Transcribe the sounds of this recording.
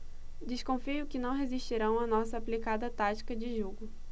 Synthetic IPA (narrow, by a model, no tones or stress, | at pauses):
d̪ɪskõfijʊkɪnɐ̃w̃ɦeziʃt͡ʃiɾɐ̃w̃ɐnɔsɐːplikad̪ɐt̪at͡ʃi̥kɐd͡ʒɪʒuɡʊ